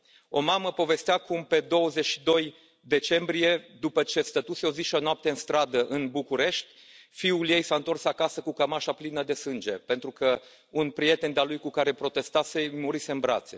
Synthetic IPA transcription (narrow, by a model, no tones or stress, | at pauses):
o̞̰maməpo̞ve̞st̪eakumpe̞d̪o̞wəze̞ʃi̥d̪o̞j | d̪e̞t͡ʃe̞mbɾije̞d̪upət͡ʃe̞st̪ət̪useoziʃonoap̚t̪e̞ɨnst̪ɾad̪əʔɨnbukuɾe̞ʃt̪ʲ | fiulje̞jsaɨnt̪o̞rsakasəkukəmaʃaplinəd̪e̞sɨnd͡ʒe̞pe̞nt̪ɾukə | unpɾije̞t̪e̞nd̪ealujkukaɾe̞pɾo̞t̪e̞st̪ase̞muɾise̞ɨnbɾa̰t̪se̞